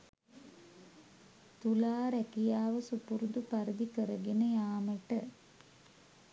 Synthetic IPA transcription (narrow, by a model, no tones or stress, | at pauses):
t̪ulaːɾækijaːʋəsupuɾud̪upaɾid̪ikəɾəɡenəjaːməʈə